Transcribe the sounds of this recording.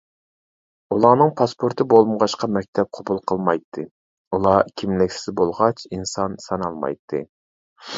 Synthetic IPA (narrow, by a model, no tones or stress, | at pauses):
ulˠɑːnɨŋpʰɑspʰoɾt̪ʰɨbolˠməʁɑʃqʰɑmɛk̚ʲt̪ʰɛp̚qʰobulˠqʰəlˠmɑjt̪ʰːɨ | ulˠɑkʲʰimlɪkʲsɪzbolˠʁɑt͡ʃinsɑnsɑnɑlˠmɑ̰jt̪ʰːɨ̰